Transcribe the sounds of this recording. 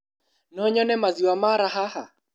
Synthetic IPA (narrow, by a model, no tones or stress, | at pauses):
nɔɲɔnɛmaziwamaɾaɦaha